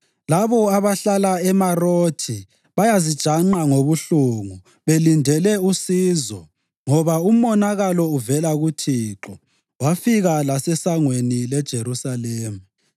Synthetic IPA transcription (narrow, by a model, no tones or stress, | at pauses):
laβɔaβaɬalaɛmarotʰi | βajazid̥ʒ̥ʱaŋ͡ǃaŋoβuɬuŋu | βelindʱɛlɛusiːzɔ | ŋɔβaum̩ɔnaɣalɔuvɛlaɣutʰiːǁɔ | wafiɣalasɛsaŋwenilɛd̥ʒ̥ʱeɾusaleːmu